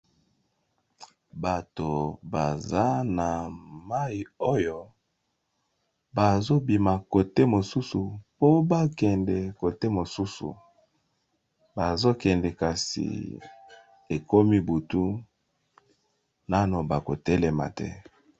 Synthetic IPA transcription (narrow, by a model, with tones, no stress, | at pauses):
ba˨to˨ba˨za˦na˨ma˦i˨o˦jo˦ | ba˨zo˦bi˨ma˨ko˨te˦mo˨su˦su˨po˦ba˦kɛ˨ndɛ˨ko˨te˦mo˨su˦sṵ˨ | ba˨zo˦kɛ˨ndɛ˨ka˨sḭ˨ | e˨ko˦mi˦bu˨tu˦ | na˦no˨ba˨ko˨tɛ˦lɛ˦ma̰˨tɛ̰˦